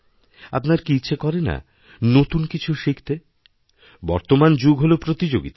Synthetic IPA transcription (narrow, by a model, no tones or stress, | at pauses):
a̰pnaɾkiitːɕʰekɔɾena̰ | not̪unkit͡ɕʰuʃikʰt̪e | bɔɾt̪omand͡ʑuɡɦolopɾot̪id͡ʑoɡit̪a